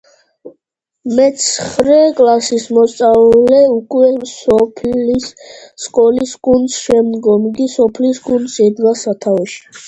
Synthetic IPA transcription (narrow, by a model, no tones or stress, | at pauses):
mɛt̪sχɾɛkʼlasismɔst̪sʼalɛukʼwɛsɔpʰlisːkʼɔlisɡʼund̪sʃɛmd̪ɡɔmɡisɔpʰlisɡʼund̪sɛd̪ɡasat̪ʰavɛʃi̥